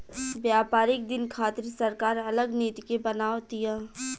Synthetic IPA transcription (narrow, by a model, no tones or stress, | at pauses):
bjaːpaːɾɪk̚d̪ɪnkʰaːt̪ɾisɐɾkaːɾɐləɡneːt̪ikebɐnaːot̪iaː